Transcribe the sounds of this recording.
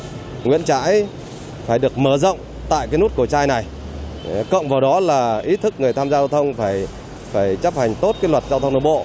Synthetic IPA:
ŋwḭ˧˥ənt͡ɕa̰ː˧˥j | faː˧˩jɗɨ˨˩ək̚məː˧˩zə̰˧˨wŋ͡m | t̪a̰ː˧˨jkaː˨˦nu˦˥t̚ku˧˩ət͡ɕaː˧jna˨˩j | kə̰˧˨wŋ͡mvaː˨˩wɗɔ˨˦laː˨˩ʔi˨˦t̪ʰɨ˦˥k̚ŋɨ˨˩əjt̪ʰaː˧mzaː˧wt̪ʰə˧wŋ͡mfaː˧˩j | faː˧˩jt͡ɕə˦˥p̚ha˨˩jŋ̟t̪o˦˥t̚kaː˨˦jlwə˨˩t̚zaː˧t̪ʰə˧ŋ͡mnə˧˩ɓo̰˧˨

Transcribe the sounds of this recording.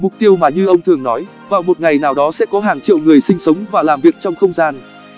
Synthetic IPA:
mʊ˨˩k͡p̚t̪i˧əwmaː˨˩ɲɨ˧ʔə˧wŋ͡mt̪ʰɨ˨˩əŋnɔ˨˦j | vaː˨˩wmo˨˩t̚ŋa˨˩jnaː˨˩wɗɔ˨˦sɛ̰˧˥kɔ˨˦ɦaː˨˩ŋt͡ɕḭ˧˨wŋɨ˨˩əjsï˧ŋ̟sə˨˦wŋ͡mvaː˨˩laː˨˩mvi˨˩ək̚t͡ɕɔ˧wŋ͡mxə˧wŋ͡mzaː˧n

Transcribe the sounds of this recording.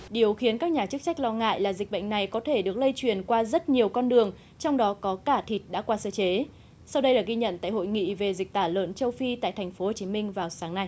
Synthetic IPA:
ɗi˨˩əwxi˨˦ənkaː˦˥k̚ɲaː˨˩t͡ɕɨ˦˥k̚t͡ɕa˦˥k̚lɔ˧ŋa̰ː˧˨jlaː˨˩zï˨˩k̚ɓə̰˧˨ŋ̟na˨˩jkɔ˨˦t̪ʰe˧˩ɗɨ˨˩ək̚lə˧jt͡ɕwi˨˩ənkwaː˧zə˦˥t̚ɲi˨˩əwkɔ˧nɗɨ˨˩əŋ | t͡ɕɔ˧wŋ͡mɗɔ˨˦kɔ˨˦kaː˧˩t̪ʰi˨˩t̚ɗa̰ː˧˥kwaː˧səː˧t͡ɕe˨˦ | sa˧wɗə˧jlaː˨˩ɣi˧ɲə̰˧˨nt̪a̰ː˧˨jɦo̰˧˨jŋḭ˧˨ve˨˩zi˨˩k̟̚t̪aː˧˩lwə̰ː˧˨nt͡ɕə˧wfi˧t̪a̰ː˧˨jt̪ʰɛ˨˩ŋ̟fo˨˦ho˨˩t͡ɕi˨˦mï˧ŋ̟vaː˨˩wsaː˨˦ŋna˧j

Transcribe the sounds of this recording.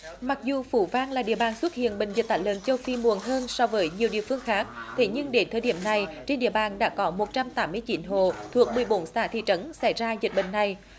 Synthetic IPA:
ma˨˩k̚zu˨˩fu˧˩˦vaː˧nlaː˨˩ɗḭ˧˨əɓaː˨˩nswt̚hḭ˧˨ənɓï˧˨ŋ̟zi˨˩t̚t̪aː˧˩jlə̰ː˧˨nt͡ɕə˧wfi˧mu˨˩ənɦəː˧nsɔ˧wvəː˨˦jɲi˨˩əwɗḭ˧˨əfɨ˧əŋxaː˦˥k̚t̪ʰe˨˦ɲɨ˧ŋɗe˨˦t̪ʰəː˨˩jɗi˧˩əmna˨˩jt͡ɕe˧nɗḭ˧əɓaː˨˩nɗa̰ː˧˥kɔ˨˦mo˨˩t̚t͡ɕa˧mt̪aː˨˦mːɨ˧əjt͡ɕi˨˦nɦo̰˧˨t̪ʰu˨˩ək̚mɨ˨˩əjɓo˨˦nsa̰ː˧˩t̪ʰḭ˧˨t͡ɕə˨˦nsa˧˩jzaː˧zi˨˩ɓḭ˧˨ŋ̟na˨˩j

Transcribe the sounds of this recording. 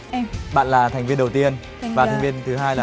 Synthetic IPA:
ɓa̰ː˧˨nlaː˨˩t̪ʰɛ˨˩ŋ̟vi˧ənɗə˨˩wt̪i˧ən | vaː˨˩t̪ʰŋvi˧ənt̪ʰɨ˨˦ɦaː˧jlaː˨˩

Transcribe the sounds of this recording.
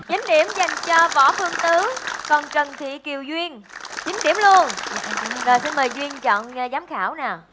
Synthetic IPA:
t͡ɕa˨˦ŋ̟ɗḭ˧˩əmza˨˩jŋ̟t͡ɕɔ˧vɔ̰˧˩˥fɨ˧əŋt̪ɨ˨˦kɔ˨˩nt͡ɕə˨˩nt̪ʰḭ˧˨ki˨˩əwzwi˧ən | t͡ɕï˨˦ŋ̟t̪i˧˩əmlu˧ən | zo˨˩jsi˧nməː˨˩jzwi˧ənt͡ɕɔ̰˧˨n˨˩zaː˨˦mxaː˧˩wnaː˨˩

